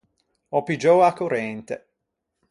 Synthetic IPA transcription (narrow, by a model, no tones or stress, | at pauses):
ɔpid͡ʒɔːakoɾɛnt̪ḛ